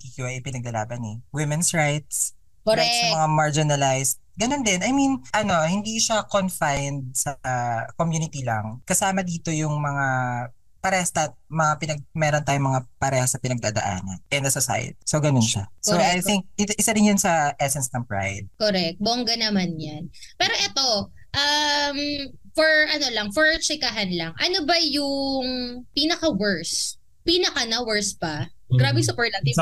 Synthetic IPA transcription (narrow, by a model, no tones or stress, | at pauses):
t̪ikjuʔɐjʔpɪnɐɡlɐlaːbɐnɛwɪmɛnsɹajt̪̚s | ɾat̪sɐmɐŋamaɹd͡ʒɪnɐlajst̪ɡɐnond̪ɪnʔɐjminʔɐno̞hɪnd̪iʃakonfajnd̪̚sɐkomjuːnɪt̪ilɐŋkɐsaːmɐd̪iːt̪o̞jʊŋmɐŋa | pɐɾɛːhɐst̪amɐŋapɪnɐɡ̚mɛːɾont̪aːjʊŋmɐŋapɐɾɛːhɐsɐpɪnɐɡ̚d̪aːd̪ɐ̰ʔa̰ːnɐ̰nʔɛnd̪ɐsosa̰jɐ̰t̪i̥soɡɐnonʃasoajtɪŋk̚ʔɪt̪ʔɪsɐɾɪŋjʊnsɐʔɛsɛnsnɐmpɹa̰jd̪̚koɾɛk̚t̪̚boːŋɡɐnɐmanjanpɛːɾo̞ʔɛt̪o̞ | ʔɐmfɔɹʔɐnolɐŋfɔɹt͡ʃɛkɐɦanlɐŋʔɐnobɐjʊŋpiːnɐkɐwɛɹs | piːnɐkɐnɐwɛɹspɐɡɾaːbɛsɐpɔɹlɐi